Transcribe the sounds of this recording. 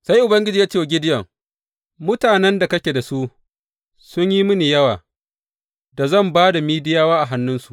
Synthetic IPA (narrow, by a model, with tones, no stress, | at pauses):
sa˦jʔʊ˨bɐ˦ŋɡʲɪ˦d͡ʒiː˨jaː˦t͡ʃe˦wa˨ɡʲɪ˦dɪ˦jɐ˨ŋ | mʊ˦taː˨nɛ˦nda˨kɐ˦kʲe˨da˨su˦ | sʊ˦ɲji˦mʊ˦ni˨jɐ˦waː˨ | da˨zɐ˦˨mbaː˦da˨miː˦dɪ˦jaː˦waː˦ʔa˨ɦa˦nːʊ˦nsu˨ʔ